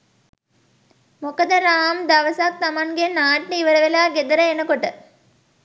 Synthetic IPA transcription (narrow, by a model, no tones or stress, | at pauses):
mokəd̪əɾaːmd̪aʋəsak̚t̪amaŋɡenaːʈːiʋəɾəʋelaːɡed̪əɾəenəkoʈə